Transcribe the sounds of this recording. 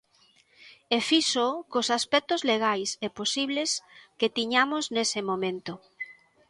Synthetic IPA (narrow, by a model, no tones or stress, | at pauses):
efisokosaspɛk̚t̪ozleɣ̞ajseposiβlesket̪iɲamoznesemõmẽnt̪o